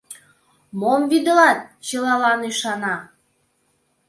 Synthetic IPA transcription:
momvid̪ə̆lɑt̪̚t͡ɕəlɑlɑnyʃɑnɑ

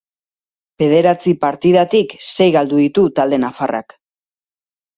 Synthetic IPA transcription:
b̥e̞ð̞e̞ɾat͡sipaɾt̪iðat̪ikse̞jɣald̪uðit̪ut̪ald̪e̞nafara̰k

